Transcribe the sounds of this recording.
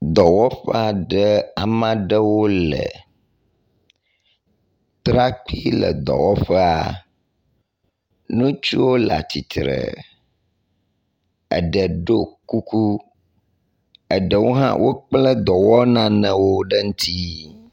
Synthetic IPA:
d̪ɔ˨wɔ˦ɸɛ˦a˨ɖə˦a˨mã˦ɖə˦wo˦lə̰˨ | t̪ɾa˦k͡pi˦lə̰˨d̪ɔ̰˨wɔ˦ɸɛ˦a̰˨ | nũ˦t͡ʃu˦wo˦la̰˨t̪i˨t̪ɾə̰˨ | ə˨ɖə˨ɖo˦ku˦ku˦ | ə˨ɖə˨wo˦ɦã̰˦wʔo˦k͡plə˦d̪ɔ˨wɔ˦nã˦nə̃˨wo˦ɖə˦ŋũ˦t̪ʰi˦

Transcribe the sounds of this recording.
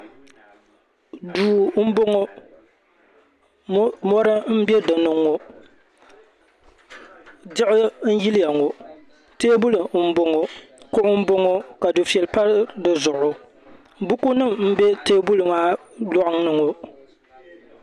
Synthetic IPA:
duː˨m̩˦bʊ˦ŋo˦ | mɔ˦ɾɨ˦m̩˦bɛ˦dɨ˨nʊ˨ŋːo˨˦ | dɪ˦ʔɪ˦n̩˦ji˦lɪ˦ja˨ŋo˨ | teː˦bu˦lɨ˨˦m̩˦bʊ˦ŋo˨kʊ˦ʔʊ˦m̩˦bʊ˦ŋo˦ka˨du˨fi˨ɛ˨lpa˦ɾdɨ˨zʊ˨ʔʊ˦ | bʊ˦ku˦nɨ˦mm̩˦bɛ˦teː˦bu˦lɨ˨maː˦ | lɔ˦ʔʊ˦ŋnɨ˨ŋo˨

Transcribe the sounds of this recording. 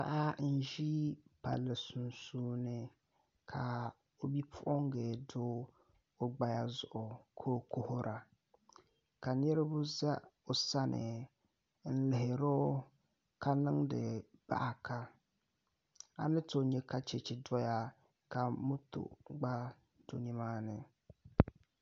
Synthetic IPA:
pa̰˦ʔa˦n̩˦ʒi˦pa̰˨lːɨ˨su˨nsuː˦nɨ˦ | kʰa˨ | o˨bi˦pʰʊ˦ʔɔ˦ŋɡeː˨dʊː˦ | o˦ɡ͡ba˦ja˦zʊ˨ʔʊ˨kʰoː˦kʊ˦hʊ˦ɾʔa˨ | ka˨nɛ˦ɾɪ˦bʊ˦za˦o˨sa˦nɪ̰˨ | n̩˦lɪ˨ɦɪ˨ɾʊ˦ | ka˦nɪ˦ŋdɪ̰˨ba̰˦ʔa˨kʰa˦ | a̰˨nɪ˦to˨ɲɛ˦kʰa˦t͡ʃe˨t͡ʃɪ˨dɔ˦ja˦ | ka˨mʊ˦tʊ̰˨ɡ͡ba˦ | d̥u˦n˦i˦maː˦nɪ˨

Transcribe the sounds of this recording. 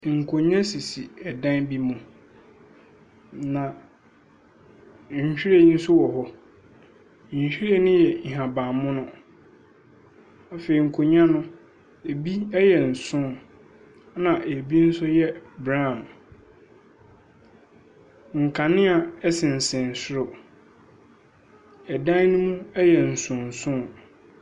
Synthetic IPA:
ŋ̩˨kʰo˨ɲã˦si˨si˨ɛ˨dã˦nbi˦mʊ̃˨ | nã˨ | ɲ̩˨ɕᶣi˦ɾe˦˨˦n̩˦sʊ˦wɔ˨ɦɔ˦˨ | ɕᶣi˦ɾe˦nɪ̃˦jɛ˨ɲ̩˨ɦã˨bã˨mmʊ̃˦nʊ̃˦ | a˨fe˨ɾi˨ŋ̩˨kʰo˨ɲã˦nʊ̃˦ | e˨bi˦ɛ˦jɛ˨n̩˨sʊ̃˦ | nã˨ʔe˨bi˦n̩˦sʊ˦jɛ˦bɾã˦˨m | ŋ̩˨kʰa˨nɪ̃˦a˨ɛ˦sɪ̃˨n̩˨sɪ̃˨n̩˨sʊ˦ɾʊ˨ | ɛ˨dã˦nʊ̃˦mũ˦ɛ˦jɛ˨n̩˨sʊ̃˨n̩˨sʊ̃˦˨

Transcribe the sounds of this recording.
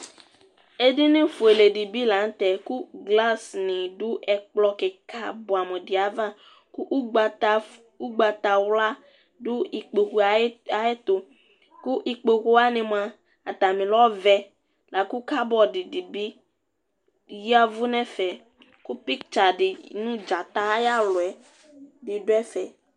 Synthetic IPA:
e˦dɪ˦nɪ̃˦fu˨e˨le˨di˨bi˦la˨˦n̩˦t̪ɛ˨ku˦ɡla˦snɪ̃˨dʊ˦ʔɛ˨k͡plɔ˦kɛ˨ka˨bɔ˨a˨me˨dɪ˨a˨va˦ | ku˦ʔɡ͡b | u˦ɡ͡ba˨t̪a˨wla˦ | dʊ˦i˨k͡po˨ku˨˦a˨ɪ˦t̪ʊ˨ | ku˦ʔi˨k͡pe˨ku˦a˦nɪ̃˨m˨˦a˨ | a˨t̪a˨mĩ˨lɔ˦vɛ˦ | la˨ku˦ka˦bɔ˨dɪ˨dɪ˨bi˦ | ji˦a˦vʊ˦nɛ̃˦fɛ˨ | ku˦pi˦kt͡ʃa˨dɪ˨nũ˦d͡ʒa˨t̪a˦ja˦lʊ˨ɛ˨ | dɪ˨dʊ˦ɛ˦fɛ˨

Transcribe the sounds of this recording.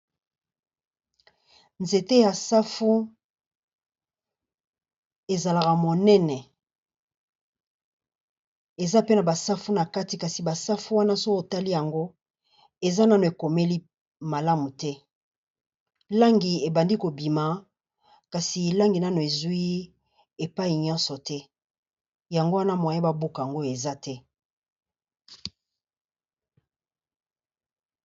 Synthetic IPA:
nze˨te˦ja˨sa˦fu˦ | e˨za˨la˨ka˨mo˨nɛ˦nɛ˨ | e˨za˦pe˦na˨ba˨sa˦fu˦na˨ka˦ti˨ka˨si˨ba˨sa˦fu˦wa˦na˦so˦ko˨ta˦li˦ja˨ŋɡo˦ | e˨za˦na˦no˨e˨ko˨me˦li˦ | ma˨la˦mu˨tɛ˦ | la˦ŋɡi˨e˨ba˨ndi˦ko˨bi˨ma˨ | ka˨si˨la˦ŋɡi˨na˦no˨e˨zu˦i˦ | e˨pa˦i˨ɲɔ̃˦nsɔ˨tɛ˦ | ja˨ŋɡo˦wa˦na˦m˨a˨ja˦ba˦bo˦ka˨ja˨ŋɡo˦e˨za˦tʰɛ˦

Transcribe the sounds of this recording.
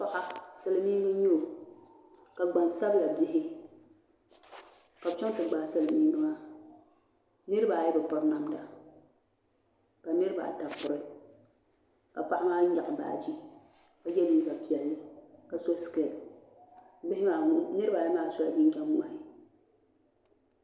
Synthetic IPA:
pa˦˨ʔa˦sɨ˦lɨ˦miː˦nɨ˦ɲɛ˦o˨ | ka˨ɡ͡ba˨nsa˦bla˨dɪ˦ɦɪ˦ | ka˨bt͡ʃɔ˦ŋ˦tɨ˨ɡ͡baː˨sɨ˦˨lɨ˨miː˦nɨ˦ma˦ | nɨ˦ɾɨ˦ba˨jɛ˦bɨ˨pʊ˨ɾna˦mda˨ | ka˨nɨ˦ɾɨ˦ba̰˨ta˨pʊ˨ɾɨ˨ | ka˨pa˦ʔa˦maː˦ɲa˨ʔɨ˨ba̰ː˨d͡ʒi˦ | ka˨jɛ˦liː˦ɡa˨pi˨ɛ˨lːɪ˦ka˨so˦ske˨˦ | bɪ˦ɪ˦ma˨˦nɨ˦ɾɨ˦ba˨jɛ˦maː˦˨sɔ˦la˨bi˦t͡ʃa˦mmʊ˦a̰˨hɪ˨

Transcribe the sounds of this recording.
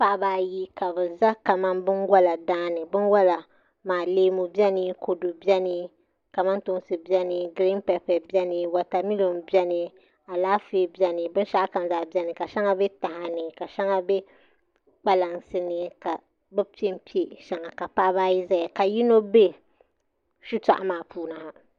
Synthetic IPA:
pa˦ʔbaː˦ji˦ka˨bɨ˨za˦ka˨ma˦mbɨ˦nɡa˦la˨daː˦nɨ˨bɨ˦nwa˦la˨ | maː˨leː˦mu˨bi˦ɛ˦nɨ˦ko˨do˨bjɛ˦nɨ˦ | ka˨ma˦ntʊ˦sɨ˨bi˦ɛ˦nɨ˨ɡɨ˨ɾi˦m˦pɛ˨pɛ˨bɛ˦nɨ˨wa˨ta˨mi˦lo˨m˦bɛ˦nɨ˨ | a˨laː˦feː˦bɛ˦nɨ˨bɨ˦n˦ʃa˦ʔka˨m˦za˨bi˦ɛ˦nɨ˨ka˨ʃɛ˦ŋa˦bɛ˦ta˨ha˨nɨ˨ka˨ʃɛ˦ŋa˦bɛ˦ | k͡pa˦la˨ŋsɨ˦nɨ˨ka˨ | bɛ˦pi˦e˦m̩˦pi˦e˨ʃɛ˨ŋa˨ka˨pa˦ba˦ji˦za˨a˨ka˨ji˦no˦be˦ | ʃu˦ta̰˨ʔa˦maː˨puː˦na˨ha˦

